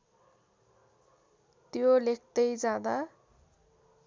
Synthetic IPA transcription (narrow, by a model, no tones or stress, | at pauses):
t̪jolek̚ʰt̪ʌjd͡zãd̪a